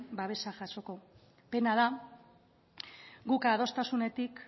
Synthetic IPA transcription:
baβ̞e̞saʝaso̞ko̞ | pe̞naða | ɡukað̞o̞st̪asune̞t̪ik

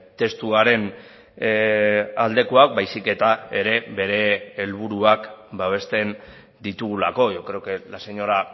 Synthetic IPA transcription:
t̪e̞st̪uaɾe̞n | ald̪e̞koak̚bajsike̞t̪ae̞ɾe̞βe̞ɾe̞ːlβ̞uɾuakbaβ̞e̞st̪e̞n | d̪it̪uɣula̰ko̞ʝokɾeokelase̞ɲo̞ɾa

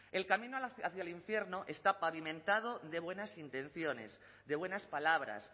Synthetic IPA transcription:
e̞lkamĩnoaθjaliɱfje̞ɾno̞ʔe̞st̪apaβimẽ̞nt̪að̞oðe̞βwe̞nasint̪ẽ̞n̟θjo̞ne̞̰s | ðe̞βwe̞naspalaβ̞ɾa̰s

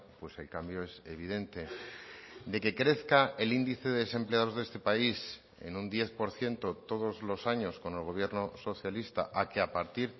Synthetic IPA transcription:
pwe̞se̞lkambjo̞e̞se̞β̞iðe̞nt̪e̞ | d̪e̞ke̞kɾe̞θkae̞lind̪iθe̞ðeese̞mpleaðo̞zðe̞st̪e̞pais | ḛnund̪je̞θpo̞ɾθje̞nt̪o̞t̪o̞ðo̞zlo̞saɲo̞sko̞ne̞lɣ̞o̞βje̞ɾnoso̞θjalist̪a̰ʔakeapaɾt̪iɾ

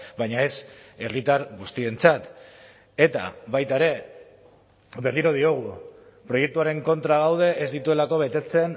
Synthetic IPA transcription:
bajɲae̞se̞rit̪aɾɣust̪ie̞nt͡sat̪ | e̞t̪a̰βajt̪aeɾe̞ | βe̞rliɾo̞ð̞io̞ɣ̞u | pɾo̞je̞k̚t̪uaɾe̞ŋko̞nt̪ɾaɣ̞awð̞e̞ʔezd̪it̪ue̞lako̞β̞e̞t̪e̞t͡se̞n

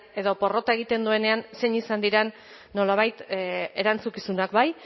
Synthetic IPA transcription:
e̞ðo̞po̞ro̞t̪ae̞ɣ̞it̪e̞nd̪ue̞ne̞anse̞ɲisand̪iɾenː | o̞laβ̞ajt̪e̞ɾant͡sukisunakbaj

